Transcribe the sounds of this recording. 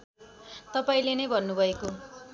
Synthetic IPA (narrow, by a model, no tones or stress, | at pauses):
t̪ʌpaĩlenʌjbʱʌnːubʱʌeko